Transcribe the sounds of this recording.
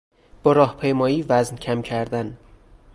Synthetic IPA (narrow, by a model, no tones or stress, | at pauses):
b̥ɒːɾɒːhpʰejmɒːjiːvæzncʰæmcʰæɾd̪æn